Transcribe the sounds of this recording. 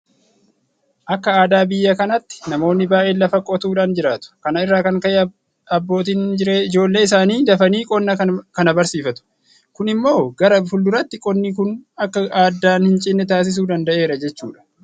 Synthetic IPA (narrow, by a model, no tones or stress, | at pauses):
ʔɐkːɐaːd̪aːbɪjːɐkɐnɐt̪ːɪ̥nɐmo̞ːnːɪbaːʔe̞ːlːɐfɐkʼːɔt̪uːᶑaːnd͡ʒɪɾaːt̪ʊ̥kɐnɐɪrːaːkɐŋkɐʔe | ɐbːo̞ːt̪̬iːnd͡ʒɪɾeːɪd͡ʒo̞ːlːe̞ːɪs̬aːniːd̪ɐfɐniːkʼɔnːɐkɐnɐbɐɾsiːfɐt̪ʊ̥ | kʊnɪmːo̞ːɡɐɾɐfʊld̪ʊɾɐt̪ːɪkʼɔnːikʊnɐkːɐaːd̪ːaːnhɪnt͡ʃʼɪnːɛt̪aːs̬ɪs̬uːd̪ɐnd̪ɐʔe̞ːɾɐd͡ʒɛt͡ʃːṵːᶑɐ̥